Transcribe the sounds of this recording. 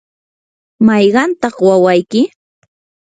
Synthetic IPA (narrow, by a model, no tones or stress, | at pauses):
mɑjɢɑnt̪ɑχwawajkɪ